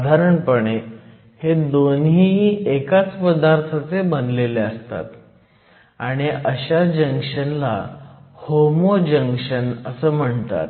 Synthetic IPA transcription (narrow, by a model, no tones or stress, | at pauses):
d̪ʱaɾəɳpəɳe | hed̪onɦiekat͡spəd̪aɾt̪ʰat͡sebənd̪leleəst̪a̰t̪ | aɽ̃iəɕad͡ʑəŋkʂənla̰homod͡ʑəŋkʂənəsəːm̤əɳt̪a̰t̪